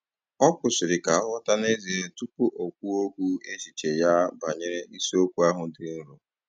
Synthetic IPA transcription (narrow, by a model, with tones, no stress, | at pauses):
ɔ˦kʷʊ˨sɪ˨ɾɪ˨ka˨ɔ˦wa˦ta˦ne˦zi˨ɾe˦tu˦pʊ˦ʔo˨kʷu˦o˦kʷu˦e˦si˨t͡ʃe˨ja˦ba˨ɲe˦ɾe˦i˦si˦o˦kʷu˦a˦ɦʊ˨dɪ˨n̩˦ɾu˨